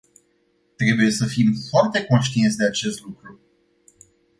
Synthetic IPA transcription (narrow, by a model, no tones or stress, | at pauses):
t̪ɾe̞buje̞səfimfoart̪e̞ko̞nʃt̪ient̪sʲd̪e̞at͡ʃe̞st̪lukɾu